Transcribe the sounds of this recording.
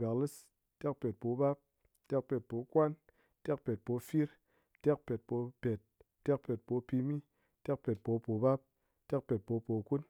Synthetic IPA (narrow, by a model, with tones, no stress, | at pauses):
ba˨kli˦s | te˦k̚pe˨t̚po˨˧ba˦p̚ | te˦k̚pe˨t̚po˨˧kwa˦n | te˦k̚pe˨t̚po˧fi˦ɾ | te˦k̚pe˨t̚po˨˧pe˨t̚ | tːe˦k̚pe˨t̚po˧˦pi˧mi˦ | te˦k̚pe˨t̚po˨˦po˨ba˦p̚ | te˦k̚pe˨t̚po˧˦po˨ku˦n